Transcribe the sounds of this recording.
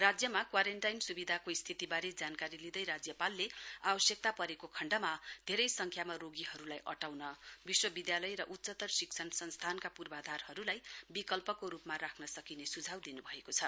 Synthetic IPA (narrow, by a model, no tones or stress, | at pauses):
rad͡zjʌmakwaɾeɳʈajnsubid̪ʱakoist̪ʰit̪ibaɾed͡zankaɾilid̪ʌjɾad͡zjʌpalːeabʌsjʌk̚t̪apʌɾekokʰʌɳɖʌmad̪ʱeɾʌjsʌŋkʰjamaroɡiɦʌɾulajʔʌʈawnʌbiswʌbid̪jalʌjɾʌʔut̪ːsʌt̪ʌrsiksʰʌnsʌnst̪ʰankapurbad̪ʱarhʌɾulajbikʌlpʌkoɾupmaɾakʰnʌsʌkinesud͡zʱawd̪inubʱʌekot͡sʰʌ